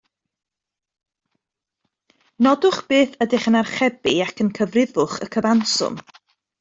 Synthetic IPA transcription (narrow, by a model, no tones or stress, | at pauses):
nɔdʊχb̥eːθədɪχənarχɛbɪakʰənkʰəvrɪðʊχə̰kʰəvansʊ̰m